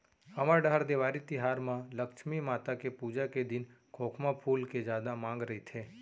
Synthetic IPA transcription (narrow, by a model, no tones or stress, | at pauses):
həməɖaɦəɾd̪eʋaːɾit̪ɪɦaːɾmãləkʃmimaːt̪akepud͡ʒaked̪ɪnkʰoːkʰmãpʰuːlked͡ʒjaːd̪amãːŋɡɾəɦit̪ʰeː